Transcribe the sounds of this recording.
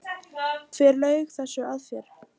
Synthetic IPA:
t̪ʰvɛɾlœːɥɣθɛsːʏaðfjɛɾ̥

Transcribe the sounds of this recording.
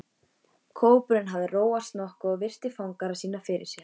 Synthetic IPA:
kʰoːwpʏɾɪnɦavðɪroːwast̪nɔhkʏɔɣvɪr̥t̪ɪfawŋkaɾasiːnafɪɾɪ̰̥sjɛɾ̥

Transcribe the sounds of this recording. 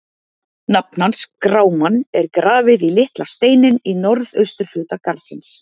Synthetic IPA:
nap̚nanskɾaːwmanːɛɾkɾaːvɪðilɪht̪last̪eːjnɪninɔɾðœɥst̪ʏɾ̥fʏːt̪akaɾðsɪns

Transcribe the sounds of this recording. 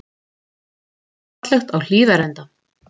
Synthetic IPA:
t̪lœxt̪awl̥iːðaɾɛnt̪a

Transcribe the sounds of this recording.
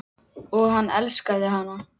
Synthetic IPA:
ɔɣɦanːɛlskaðɪɦanːa

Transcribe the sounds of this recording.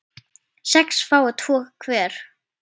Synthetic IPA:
sɛksfaːwat̪ʰvɔːɣkʰvɛːɾ̥

